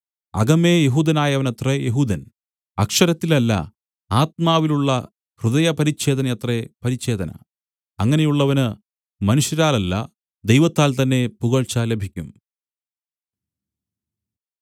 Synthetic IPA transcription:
ɐ̰ɡɐmeːjeɦuːd̪ɐnaːjɐʋɐnɐt̪rejeɦuːd̪ɐn | ɐkʂɐɾɐt̪ːilɐlːɐ̰ | aːt̪̚maːʋiluɭːɐ | hrɨðɐjɐpɐɾit͡ɕːe̞ːd̪ɐnɐjɐt̪repɐɾit͡ɕːe̞ːd̪ɐnɐ̰ | ɐŋːɐne̞juɭːɐʋɐnɨ | mɐnuʂjɐɾaːlɐlːɐ̰ | d̪ejʋɐt̪ːaːlt̪ɐnːe̞puɣɐɭt͡ɕaːlːebʱikʲːum

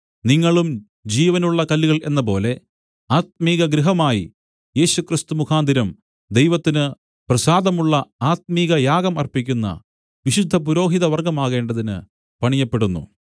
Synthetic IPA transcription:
niŋːɐɭum | d͡ʑiːʋɐnuɭːɐkɐlːiɣɐɭe̞nːɐp̬o̞̰ːle̞ | aːt̪̚miːɣɐɡɾiɦɐmaːjḭ | je̞ːɕukrist̪umukʰaːnd̪ʱiɾɐm | d̪e̞jʋɐt̪ːinɨ | prɐsaːd̪ɐmuɭːɐaːt̪̚miːɣɐjaːɡɐmɐrpikʲːunːɐ̰ | ʋiɕud̪ʱːɐp̬uɾo̞ːɦiðɐʋɐrɡɐmaːɣe̞ːɳɖɐðinɨ̰ | pɐɳijɐpːe̞ɽunːṵ

